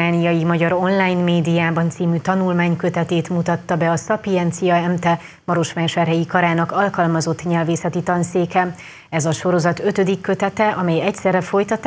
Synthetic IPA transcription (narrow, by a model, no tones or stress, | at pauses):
aːnijɒjimɒɟɒɾo̞nlaːjnmeːd̪ijaːbɒnt̪siːmyt̪ɒnulmaːɲkøt̪ɛt̪eːt̪mut̪ɒt̪ːɒbɛɒsɒpijɛnt̪sijɒɛmt̪ɛ | mɒɾo̞ʃmaːʃɛrɦɛjikɒɾaːnɒkɒlkɒlmɒzo̞t̪ːɲɛlveːsɛt̪it̪ɒnseːkɛ | ɛzɒʃo̞ɾo̞zɒt̪ø̞t̪ø̞d̪ikːø̞t̪ɛt̪ɛʔɒmɛjɛcsɛrɛfo̞jt̪ɒt̪ː